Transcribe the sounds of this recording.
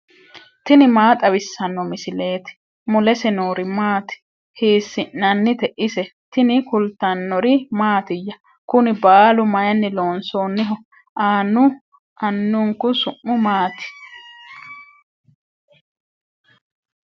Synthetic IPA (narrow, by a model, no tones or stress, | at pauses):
t̪ɪnɪmaːt̪ʼɐwɪsːɐnːɔmɪsɪle̞ːt̪ɪ̥ | mʊlɛsɛnoːɾɪmaːt̪ɪ̥ | hiːsːɪnːɐnːɪt̪ɛʔɪsɛt̪ɪnɪkʊlt̪ɐnːɔɾɪmaːt̪ɪjːɐ | kʊnɪbaːlʊmɐjɐnːɪloːnsoːnːɪɦɔ | aːnːʊ | ɐnːʊŋkʊsʊʔːʊmaːt̪ɪ̥